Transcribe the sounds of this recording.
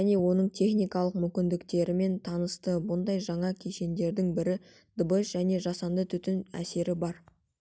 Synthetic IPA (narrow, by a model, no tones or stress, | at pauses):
ʒæne̞wo̞nəɴt̪ʰʲe̞χnijkɑlˠəq̚mʏmʲkʲɪnd̪ɪkt̪e̞ɾɪme̞nt̪ʰɑnəst̪əbʊnd̪ɑjʒɑɴɑkʲʰeʃe̞nd̪e̞ɾd̪ɪŋbɪɾɪ | d̪̥əbəʃʒæne̞ʒɑsɑnd̪ət̪ʰʏt̪ɪnæ̰se̞ɾɪbɑɾ